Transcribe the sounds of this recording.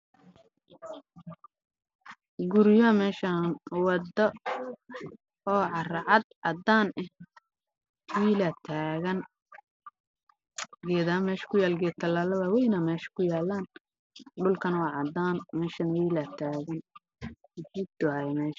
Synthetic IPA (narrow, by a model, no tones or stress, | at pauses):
ɡʊɾjɔmɛːʃɐnwɑd̪ɐ | ɔːʕɑrɐʕɑd̪ʕɑd̪aːnʔɛ | wiːlɐt̪ʰaːɣɐn | ɡɛːd̪amɛːʃɐ̥kʰʊjaːlɡɛːt̪ʰɐlaːlɐðɐwɛjnɐmɛːʃɐ̥kʰʊjaːlːaːn | ɖʊlkʰɐnwɑːʕɑd̪aːnmɛːʃɐnwiːlɐt̪ʰaːɣɐn | d͡ʒid̪ʊajmɛːʃɐ